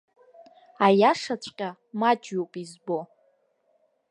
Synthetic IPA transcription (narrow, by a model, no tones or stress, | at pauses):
ajaʂat͡ɕʷʼqʲʼa | mad͡ʒopʼizbo